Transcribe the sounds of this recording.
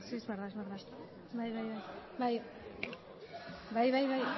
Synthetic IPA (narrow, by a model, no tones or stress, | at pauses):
siezβeɾðaezβeɾða | bajβajβajbaj | bajβajβaj